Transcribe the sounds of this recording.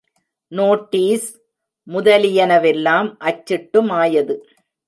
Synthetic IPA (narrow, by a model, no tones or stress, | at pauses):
noːʈːiːs | mʊðɐlɪjɐnɐʋɛlːaːmʔɐt͡ʃːɪʈːɯmaːjɐðɯ